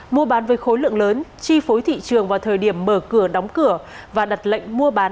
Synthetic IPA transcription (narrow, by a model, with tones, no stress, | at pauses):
mu˧əɓaː˨˦nvəː˨˦jxo˨˦jlɨ̰˧˨əŋləː˨˦nt͡ɕi˧fo˨˦jt̪ʰḭ˧˨t͡ɕɨ˨˩əŋvaː˨˩t̪ʰəː˨˩jɗi˧˩əmːəː˧˩kɨ˧˩əɗɔ˨˦wŋ͡mkɨ˧˩ə | vaː˨˩ɗa˨˩t̚la̰˧˨jŋ̟mu˧əɓaː˨˦n